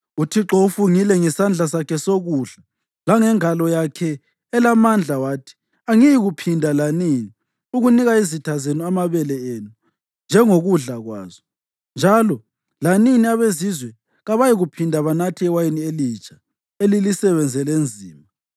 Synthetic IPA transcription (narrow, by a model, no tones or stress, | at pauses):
utʰiǁoufuŋilɛŋɛsand͡ɮʱas̬akʰɛsoɣuɮa | laŋɛŋalɔjakʰɛː | lamand͡ɮʱawaːtʰi̥ | aŋijiɣupʰindʱalanini | uɣuniɣaizitʰazenuamaβɛlɛeːnu | nd͡ʒʱɛŋoɣuɮaɣwa̰ːzɔ | nd͡ʒʱalɔ | laniniaβezizwɛ | ɣaβajiɣupʰindʱaβanatʰiɛwajinielit͡ʃʰʼḁ | elilisɛβɛnd͡zʱɛlend͡zʱiːma